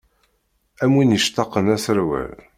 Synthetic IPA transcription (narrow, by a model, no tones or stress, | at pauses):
æmwinəʃt̪ɑqːənæsəɾwæ̰l